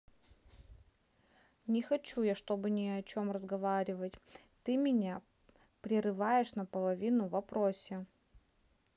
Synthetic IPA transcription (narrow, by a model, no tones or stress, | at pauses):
nʲɪxɐt͡ɕujaʂt̪o̞bɨnʲɪɐt͡ɕo̞mrəzɡɐvaɾʲɪvətʲt̪ɨmʲɪnʲa | pɾʲɪɾɨvajɪʂnəpəlˠɐvʲinʊvɐpɾosʲɪ